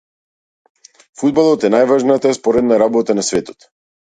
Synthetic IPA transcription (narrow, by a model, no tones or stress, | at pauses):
fud̪̚balˠɔt̪ɛnajvaʒnat̪aspɔɾɛd̪naɾabɔt̪anasvɛt̪ɔ̥t̪